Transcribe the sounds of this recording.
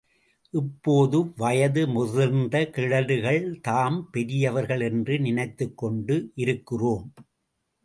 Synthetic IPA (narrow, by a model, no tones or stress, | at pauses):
ʔɪpːoːðɯʋɐjɐðɯmʊðɐɾnd̪ɐkɪɻɐðɯɣɐɭt̪aːmpɛɾɪjɐʋɐɾɣɐɭɛndrɯnɪnɐɪt̪ːɯkːɔɳɖɯʔɪɾɯkːɪroːm